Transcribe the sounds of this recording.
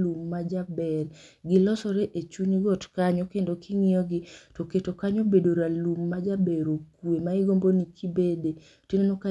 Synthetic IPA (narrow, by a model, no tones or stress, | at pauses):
lumːad͡ʒabɛrɡɪlɔsɔɾeʔet͡ʃuɲɡɔtkaɲɔkendokʰɪŋɪɔɡɪtoketokaɲobedoɾalumːad͡ʒabɛɾokwemaɪɡombonikʰibede | tinonoka